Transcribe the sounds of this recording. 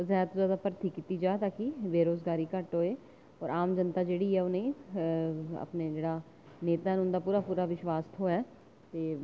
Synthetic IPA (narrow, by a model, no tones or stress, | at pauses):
zɛːt̪ozjaːd̪aːpəɾt̪iːkiːt̪iːd͡ʒaːt̪aːkɪʋeːɾoːzɡaːɾiːkəʈɦoːeː | ɔːɾʔaːmd͡ʒənt̪aːd͡ʒeːɽiːɛːonẽː | ə̰pneːd͡ʒeːɽaː | neːt̪aːnʊ̃nd̪aːpuːɾaːpuːɾaːʋɪʃʋaːst̪ɦoːɛː | t̪eː